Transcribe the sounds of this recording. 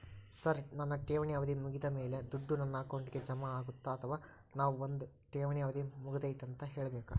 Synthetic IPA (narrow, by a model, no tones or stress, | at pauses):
sɐɾnɐnːɐʈeːʋɐɳijaːʋɐd̪imuɡid̪ɐme̞ːle̞d̪uɖːunɐnːaːkoɳɖiɡe̞d͡ʒɐmɐaːɡut̪ːaɐt̪ʰɐʋaː | naːʋuond̪u | ʈeːʋɐɳjaːʋɐd̪imuɡɐd̪ɐjt̪ɐnt̪ɐɦe̞ːɭɐbeːku